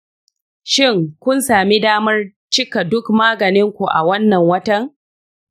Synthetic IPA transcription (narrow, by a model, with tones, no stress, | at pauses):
ʃɪ˦˨ŋkʷʊ˦nsaː˨mi˦daː˦mɐ˦r | t͡ʃɪ˦ka˨dʊ˦kmaː˦ɡɐ˨nɪ˦ŋkʷu˨ʔa̰˨wɐ˦nːɐ˨ŋwɐ˦tɐ˦ŋ